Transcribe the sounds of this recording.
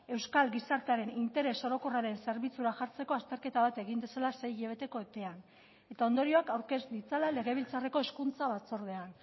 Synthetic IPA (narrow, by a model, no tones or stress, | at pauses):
e̞wskalɡisaɾt̪eaɾe̞nint̪e̞ɾe̞so̞ɾo̞ko̞raɾe̞nse̞ɾβit͡suɾaʝaɾt͡se̞ko̞ast̪e̞ɾke̞t̪aβat̪e̞ɣind̪esalase̞jʎeβe̞t̪e̞ko̞et̪e̞an | e̞t̪aond̪o̞ɾio̞akawɾke̞sd̪it͡salale̞ɣe̞β̞ilt͡sareko̞eskunt͡saβat͡so̞ɾð̞e̞an